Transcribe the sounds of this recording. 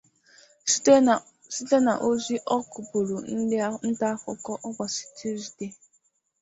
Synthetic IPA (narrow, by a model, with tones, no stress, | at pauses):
si˦te˦na˨ʔo˦zi˦ʔɔ˦kʊ˨bu˨ɾu˨n̩˦dɪ˦a˦n̩˦ta˦fʊ˦kɔ˦ʔɔ˦kʷa˨si̥˨ti˦zi˨de˦